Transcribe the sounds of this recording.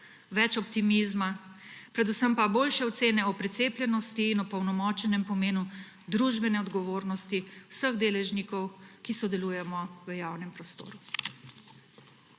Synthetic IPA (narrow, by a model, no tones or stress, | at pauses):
ʋɛt͡ʃɔpt̪imizmapɾɛd̪usəmpaboːlʃɛɔt̪seːnɛɔpɾɛt̪seːplʲjɛnɔst̪iːnɔpɔwnɔmɔːt͡ʃɛnɛmpɔmeːnu | d̪ɾuʒbɛnɛɔd̪ɡɔʋoːɾnɔst̪iwsəɣd̪eːlɛʒnikɔwkisɔd̪ɛluːjɛmɔʋəjaːwnɛmpɾɔst̪o̰ːɾu